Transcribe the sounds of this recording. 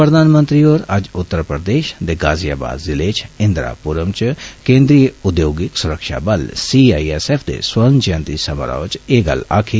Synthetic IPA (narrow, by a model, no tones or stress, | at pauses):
pɾəd̪ʱaːnmə̃nt̪ɾioːɾɐd͡ʒʊt̪ːəɾpɾəd̪eːʃd̪eːɡaːzijaːba̰ːd̪zɪleːt͡ʃʰɪ̃nd̪ɾa̰ːpuɾəmt͡ʃkẽːnd̪ɾijeʊd̪joːɡɪksʊɾəkʃa̰ːbɐlsiaːiesepʰd̪ḛswɐɾnd͡ʒɐ̃nt̪iːsɐma̰ɾa̰ːʋt͡ʃeːɡɐ̰la̰ːkʰi